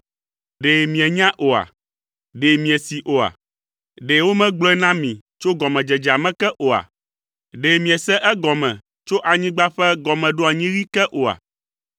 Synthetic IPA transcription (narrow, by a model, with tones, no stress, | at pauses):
ɖe˨mĩ˨ɛ˨ɲã˦ʔo˨a̰˨ | ɖe˨mĩ˨ɛ˨si˨ʔo˨a̰˨ | ɖe˨wo˦mɛ̃˦ɡ͡blɔ˦ɛ˦nã˦mĩ˨ | t͡ʃo˦ɡɔ˨mɛ̃˨d͡ʒɛ˨d͡ʒa˨mɛ̃˦kɛ˦ʔo˨a̰˨ | ɖe˨mĩ˨ɛ˨sɛ˦ʔɛ˦ɡɔ˨mɛ̃˨ | t͡ʃo˦ʔa˨ɲĩ˦ɡ͡ba˦ɸɛ˦ɡɔ˨mɛ̃˨ɖo˦a˨ɲĩ˦ɾi˦kɛ˦ʔo˨a̰˨